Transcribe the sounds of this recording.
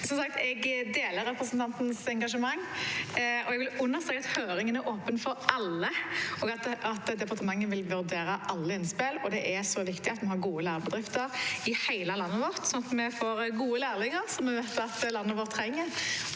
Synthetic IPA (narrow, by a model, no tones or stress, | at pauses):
sɔmsɑk̚t̪ʰɛɡd̪eːləɾɛpɾəsn̩t̪ʰɑnt̪nsɛŋɡɑʂəmɑŋː | ɔɛɡʋɪlʉnːəst̪ɾɛːkɑt̪høːɾɪŋənæɾʔoːpənfɔɾʔɑlːəoːɡɑt̪ɑt̪d̪ɛpɑɾt̪əmɑŋːənʋɪlʋʉɾd̪eːɾəʔɑlːəɪnspɪlɔd̪ɛʔæɾsɔʋɪkt̪ɪɑt̪mɛhɑɾɡuːəlæːɾəbəd̪ɾɪft̪əɾɪhæɪləlɑnːəʋɔʁt̪sɔnɑt̪mɛfoːɾɡuːəlæːɾlɪŋəɾsɔmːɛʋɛt̪ɑt̪lɑnːəʋoːɾt̪ʰːɾɛŋːəɾ